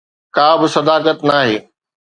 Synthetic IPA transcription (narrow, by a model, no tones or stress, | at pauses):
kaːbɪsɐd̪aːkət̪naːɦeː